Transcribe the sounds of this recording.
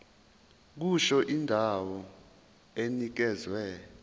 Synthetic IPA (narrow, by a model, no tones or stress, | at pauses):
k̬uʃɔʔindʱawɔ | enik̬ɛzwɛ